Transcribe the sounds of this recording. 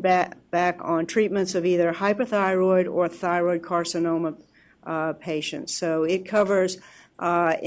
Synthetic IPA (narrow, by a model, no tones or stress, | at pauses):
b̥ækn̩tʰɹ̥it̚mɨ̃ntsʌviðə˞haɪpə˞θaɪɹɔɪɾə˞θaɪɹɔɪd̚kʰɑɹsɨnõʊ̃mə | pʰeɪʃɨ̰̃ntsoʊɪt̚kʰʌvə˞z